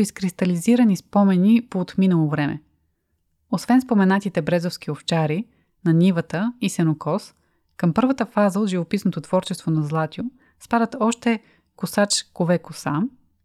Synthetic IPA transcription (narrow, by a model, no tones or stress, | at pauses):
iskɾist̪ɐliziɾɐnispɔmɛnipoːt̪minəlˠovɾɛmɛ̰ | osvɛnspomɛnat̪it̪ɛbɾɛzofsk̟ioft͡ʃaɾi | nɐnʲivət̪əisɛnokɔs | kəmpɤɾvət̪əfazəot̪ʒivopisnot̪ot̪v̥ɔɾt͡ʃɛst̪vonɐzlˠat̪ʲjo | spad̪ət̪ɔʃt̪ɛ | kʊsat͡ʃkovɛkʊsa